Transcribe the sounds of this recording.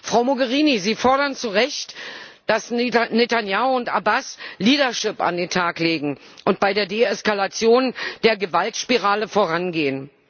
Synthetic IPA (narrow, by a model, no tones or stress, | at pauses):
fʁ̥aʊmoɡəʁ̞iːniziːfɔɐɾɐnt͡suʁɛçtd̥asnetanjaʊʊnta̰basliːɾɐʃɪpa̰ndeːntʰaːkleːɡŋ̩ʔʊnt̚b̥aɪdeːɐdeːɛskalat͡sjoːnd̥eːɐɡəvaltʃpiʁaːləfoːɐʁ̞anɡeːən